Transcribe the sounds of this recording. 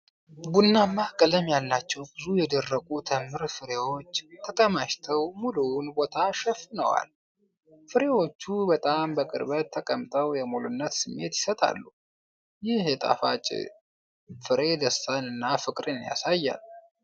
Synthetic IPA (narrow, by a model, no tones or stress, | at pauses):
bunːamːakʼələmjalːat͡ʃːɛwbɨzujɛd̪ərːəkʼut̪ʰəmɨɾfɨɾe̞wo̞t͡ʃːt̪ʰət̪ʼəmaʃt̪ʰəwmulunbo̞t̪ʰaʃɛfnəwa̰l | fɨɾe̞wo̞t͡ʃːubət̪ʼambəkʼɨ̰ɾbət̪ʰːəkʼəmt̪ʼəwjɛmulunːət̪sɨmːe̞t̪jɪsət̪ʼa̰lːu | jɪhjɛt̪ʼa̰fat͡ʃʼɪ̰ | fɨɾe̞d̪əsanɨnːafɨkʼɾɨnja̰sajːa̰l